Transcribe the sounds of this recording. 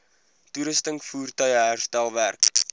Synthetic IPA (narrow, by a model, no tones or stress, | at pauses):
tuɾəstəŋkfuːrtœɥəɦærstælˠværk